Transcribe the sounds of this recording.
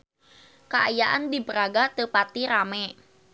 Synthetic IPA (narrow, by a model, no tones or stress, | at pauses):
kaʔajaʔandibəɾaɡat̪əpat̪iɾamɛ